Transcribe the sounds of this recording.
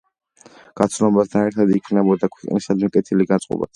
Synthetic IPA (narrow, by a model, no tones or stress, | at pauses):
ɡ̥at̪sʰnɔbast̪ʰanɛɾt̪ʰad̪ikʰnɛbɔd̪akʰwɛqʼnisad̪mikʼɛt̪ʰiliɡantsʼqʼɔ̰ba̰t̪ʰ